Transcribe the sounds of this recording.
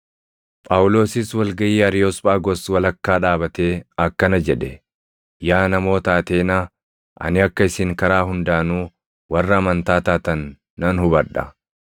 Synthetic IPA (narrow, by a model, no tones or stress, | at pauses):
pʼɐwʊlo̞ːsɪswɐlɡɐjiːɐɾɪjoːspʼaːɡɔswɐlɐkːaːᶑaːbɐt̪eːɐkːɐnɐd͡ʒɛᶑɛ | jaːnɐmo̞ːt̪aːt̪e̞ːna | ʔɐ̰nɪɐkːɐɪsɪŋkɐɾaːɦʊnd̪aːnuː | wɐrːɐːmɐnt̪aːt̪aːt̪ɐnː | ɐnhʊbɐᶑɐ